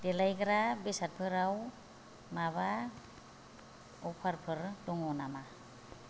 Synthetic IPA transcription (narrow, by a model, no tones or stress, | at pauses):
d̥elajɡɯɾabesat̚pʰɯɾaw | maβa | ɔpʰaɾpʰɯɾdɔŋɔnama